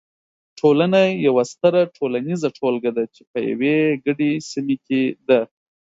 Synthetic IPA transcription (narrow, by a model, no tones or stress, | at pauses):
ʈʰolanajawast̪əɾaʈʰolanizaʈʰolɡad̪at͡ʃepəja̰weɡəɖesimeked̪a